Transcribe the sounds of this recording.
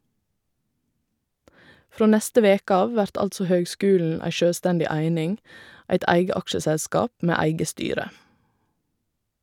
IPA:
ˈfɾoː ˈnɛstə ˈʋeːkə ˈɑː ˈʋæɾt ˈɑltsɔ ˈhøːɡˌskʉːln̩ ˈæɪ ˈʃøːˌstɛndɪ ˈæɪnɪŋ ˈæɪt ˈæɪɡə ˈɑkʃəsɛˌskɑːp ˈmeː ˈæɪɡə ˈstyːɾə

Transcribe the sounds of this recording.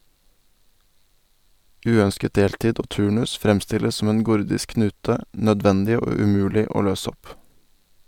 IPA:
ˈʉːœnskət ˈdeːltiːd ˈoː ˈtʉːɳʉs ˈfɾɛmstɪləs ˈsɔm ˈeːn ˈɡʊɾdɪsk ˈknʉːtə nœˈdʋɛndɪ ˈoː ʉˈmʉːlɪ ˈoː ˈløːs ˈɔp

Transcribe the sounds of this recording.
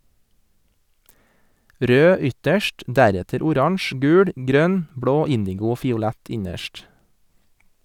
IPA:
ˈɾøː ˈʏtəʃʈ ˈdæɾɛtəɾ ʊˈɾɑɳʃ ˈɡʉːɹ ˈɡɾœn ˈbɹoː ˈɪndɪɡʊ ˈoː fɪʊˈlɛt ˈɪɲəʃʈ

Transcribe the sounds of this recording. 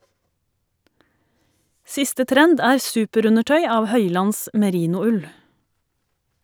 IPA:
ˈsɪstə ˈtɾɛnd ˈæːɾ ˈsʉːpəˌɾʉnəˌʈœʏ ˈɑːʋ ˈhœʏlɑns mɛˈɾiːnʊˌʉl

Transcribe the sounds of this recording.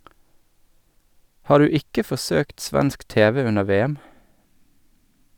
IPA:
ˈhɑːɾ ˈʉː ˈɪkə fɔˈsøːkt ˈsʋɛnsk ˈteːʋɛ ˈʉnə ˈʋeːɛm

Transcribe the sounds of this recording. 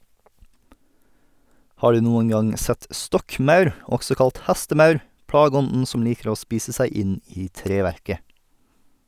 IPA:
ˈhɑː ˈɖʉː ˈnuːəŋ ˈɡɑŋ ˈsɛt ˈstɔkˌmœʉɾ ˈɔksɔ ˈkɑlt ˈhæstəˌmœʉɾ ˈpɽɑːɡəˌɔndn̩ ˈsɔm ˈliːkəɾ ˈoː ˈspiːsə ˈsæɪ ˈɪn ˈiː ˈtɾeːʋæɾkə

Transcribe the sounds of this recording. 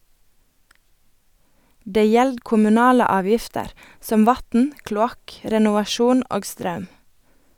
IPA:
ˈdeː ˈjɛld kʊmʉˈnɑːlə ˈɑːˌʋjɪftəɾ ˈsɔm ˈʋɑtn̩ klʊˈɑk ɾɛnʊʋɑˈʃuːn ˈoːɡ ˈstɾɑʉm

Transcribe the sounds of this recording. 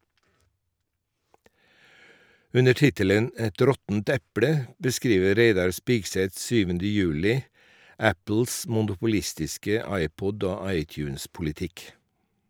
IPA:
ˈʉnə ˈʈɪtələn ˈɛt ˈɾɔtn̩t ˈɛpɽə bəˈskɾiːʋə ˈɾeɪdɑɾ ˈspɪɡsɛt ˈsyːʋəndə ˈjʉːlɪ ˈæpl̩s mʊnʊpʊˈlɪstɪskə ˈɑɪˌpɔd ˈoː ˈɑɪˌtjʉːnspʊlɪˌtɪk

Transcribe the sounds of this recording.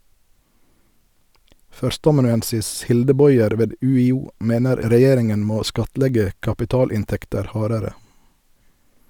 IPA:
ˈfœɾstəɑmɑnʉˌɛnsɪs ˈhɪldə ˈbɔʏɛɾ ˈʋeːd ˌʉːɪˈuː ˈmeːnəɾ ɾəˈjeːɾɪŋən ˈmoː ˈskɑtˌlɛɡə kɑpɪˈtɑːlɪnˌtɛktəɾ ˈhɑːɾəɾə

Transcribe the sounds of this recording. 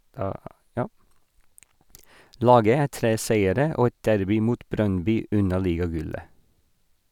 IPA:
ˈlɑːɡə ˈæː ˈtɾeː ˈsæɪəɾə ˈoː ˈɛt ˈdæɾbɪ ˈmuːt ˈbɾœnˌbyː ˈʉnɑ ˈliːɡɑˌɡʉlə

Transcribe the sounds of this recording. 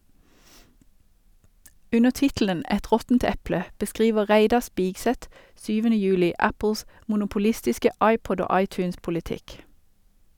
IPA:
ˈʉnəʁ ˈtɪtlən ˈɛt ˈʁɔtn̩t ˈɛplə bəˈskʁiːʋə ˈʁæɪdɑ ˈspɪɡsɛt ˈʃyːʋənə ˈjʉːlɪ ˈæpl̩s mʊnʊpʊˈlɪstɪskə ˈɑɪˌpɔd ˈoː ˈɑɪˌtʉːnspʊlɪˌtɪk

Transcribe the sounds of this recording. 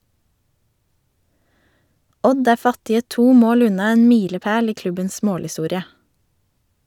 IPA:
ˈɔd ˈæː ˈfɑtɪə ˈtuː ˈmoːl ˈʉnɑ ˈeːn ˈmiːləˌpeːl ˈiː ˈklʉbəns ˈmoːlhɪˌstuːɾɪə

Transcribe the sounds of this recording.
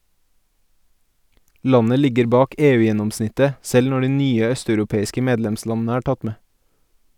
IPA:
ˈlɑnə ˈlɪɡəɾ ˈbɑːk ˈeːˌʉːˌjɛnɔmˌsnɪtə ˈsɛl ˈnɔ ˈɖiː ˈnyːə ˈœstɑʉɾʊˌpeːɪskə ˈmeːdlɛmˌslɑnn̩ə ˈæː ˈʈɑt ˈmeː

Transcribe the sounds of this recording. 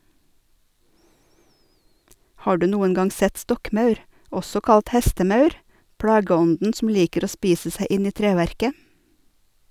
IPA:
ˈhɑː ˈɖʉː ˈnuːən ˈɡɑŋ ˈsɛt ˈstɔkˌmɑʉɾ ˈɔsɔ ˈkɑlt ˈhɛstəˌmɑʉɾ ˈpɽɑːɡəˌɔndn̩ sm̩ ˈliːkəɾ ˈoː ˈspiːsə ˈsæɪ ˈʔɪn ˈiː ˈtɾeːʋæɾkə

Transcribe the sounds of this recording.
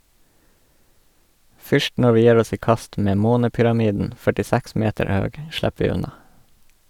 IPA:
ˈfʏʃt ˈnɔ ˈʋiː ˈjæːɾ ˈɔs ˈiː ˈkɑst ˈmeː ˈmoːnəpʏɾɑˌmiːdn̩ fœʈɪˈsæks ˈmeːtəɾ ˈhøːɡ ˈʃlɛp ˈʋiː ˈʉnɑ

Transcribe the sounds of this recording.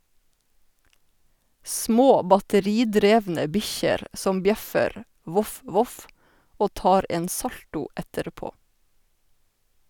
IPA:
ˈsmoː bɑtəˈɾiːˌdɾeːʋnə ˈbɪçəɾ ˈsɔm ˈbjɛfəɾ ˈʋʊf ˈʋʊf ˈoː ˈtɑːɾ ˈeːn ˈsɑltʊ ˈɛtəɾˌpoː

